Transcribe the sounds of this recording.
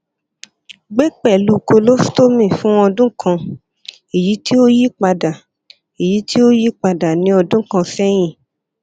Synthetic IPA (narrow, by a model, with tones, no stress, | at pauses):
ɡ͡be˦k͡pɛ˦˨lu˧ko˧lo˦sto˦mĩ˦˨fũ˦ɔ̃˧dũ˦kʰã˧ | e˨ji˨˦ti˦o˦ji˦k͡pa˧da˨ | e˨ji˨˦tʰi˦o˦ji˦k͡pa˧da˨nĩ˨˦ɔ˧dũ˦kã˧sɛ˦j̃ĩ˦˨